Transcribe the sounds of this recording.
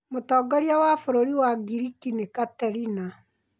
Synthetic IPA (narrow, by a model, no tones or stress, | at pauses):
motɔːɡɔɾjawafoɾoɾiwaɡiɾikinekataɾina